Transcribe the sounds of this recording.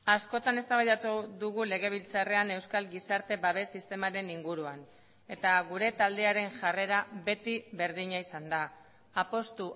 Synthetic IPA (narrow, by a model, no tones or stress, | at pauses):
asko̞t̪ane̞st̪aβajðat̪uðuɣ̞ule̞ɣ̞e̞β̞ilt͡sare̞ane̞wskalɡisaɾt̪e̞βaβ̞e̞sist̪e̞maɾe̞niŋɡuɾuan | e̞t̪aɣuɾe̞t̪ald̪e̞aɾe̞nʝare̞ɾaβe̞t̪iβe̞ɾðiɲaisand̪aː | po̞st̪u